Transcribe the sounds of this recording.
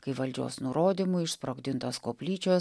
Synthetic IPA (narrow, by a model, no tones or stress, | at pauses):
kɐɪʋɐlʲd͡ʒʲo̰ːsnʊɾoːd̪ʲɪmʊɪʃspɾoːɡd̪ʲɪnt̪oːskoːpʲlʲiːt͡ʃʲoː